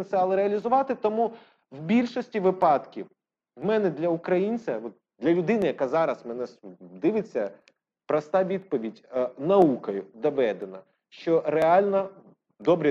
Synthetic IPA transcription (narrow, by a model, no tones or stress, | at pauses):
nt̪sɛɐlˠɪɾeɐlʲizʊʋɑt̪ɪt̪ɔmu | wbʲilʲʃɔsʲtʲiʋɪpɑd̪kʲiw | wmɛnɛd̪lʲɐukɾɐjinʲt͡sʲɐɔt̪̚ | d̪lʲɐlʲʊd̪ɪnɪjɐkɑzɑɾɐsmɛnɛsd̪ɪʋɪt͡sʲːɐ | pɾɐst̪ɑʋʲid̪̚pɔʋʲidʲnɐukɐjʊd̪ɐbɛd̪ɪnɐ | ʃt͡ʃɔɾeɑlʲnɐ | d̪ɔbɾʲɛ